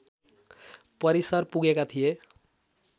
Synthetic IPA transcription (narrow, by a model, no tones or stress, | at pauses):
pʌɾisʌrpuɡekat̪ʰije